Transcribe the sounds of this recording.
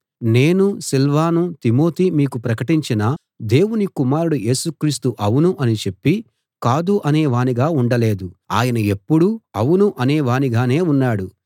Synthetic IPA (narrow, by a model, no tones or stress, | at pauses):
ne̞ːnusilʋaːnut̪imo̞ːt̪iːmiːkupɾɐkɐʈiɲt͡ʃinɐ | d̪e̞ːwunikumaːɾuɽujʔe̞ːsukɾiːst̪uʔɐwunuʔɐnit͡ʃe̞pːi | kaːd̪uʔɐnɛːʋaːniɡaːuɳɖɐle̞ːd̪ua̰ːjɐnɐe̞pːuɽuɐwunuʔɐneːʋaːniɡaːne̞ːunːaːɽu